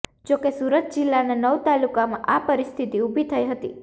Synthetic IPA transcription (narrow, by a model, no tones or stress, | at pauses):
d͡ʒokesuɾət̪̚d͡ʒilːananəʋt̪alukamã̰ʔapəɾist̪ʰit̪iubʱit̪ʰəjɦət̪ḭ